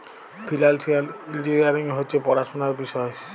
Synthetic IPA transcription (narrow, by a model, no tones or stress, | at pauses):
pʰilalsialild͡ʒiɾiaɾiŋɦojt͡ʃepɔɾasɔnaɾbisɔe